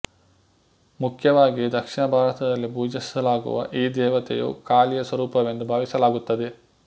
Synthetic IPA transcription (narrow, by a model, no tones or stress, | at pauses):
mukʰjɐʋaːɡid̪ɐkʂiɳɐbʱaːɾɐt̪ɐd̪ɐlːibuːd͡ʒisɐlaːɡṵʋɐ̰ʔiːd̪ɛːʋɐt̪ḛjṵkaːlijɐsʋɐɾuːpɐʋe̞nd̪ubʱaːʋisɐlaːɡut̪ːɐd̪e